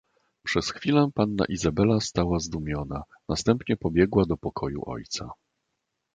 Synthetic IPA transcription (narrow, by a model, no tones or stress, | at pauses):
pʂɛsxfʲilɛpanːa̰ʔizabɛlast̪awazd̪umʲjɔna | nast̪ɛmpɲɛpɔbʲjɛɡwad̪ɔpɔkʰɔjṵʔɔ̰jt̪sa̰